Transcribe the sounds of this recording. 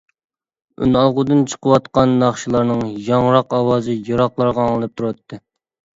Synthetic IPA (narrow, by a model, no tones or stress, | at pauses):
y̰nɑlˠʁʊd̪ɨnt͡ʃʰə̥qʰəwɑt̪qɑnːɑχʃilˠɑɾnɨŋjɑŋɾɑqɑwɑːzɨjɑɾɑqlˠɑɾʁɑɑŋɨlˠɨp̚t̪ʰuɾɑt̪ʰːɨ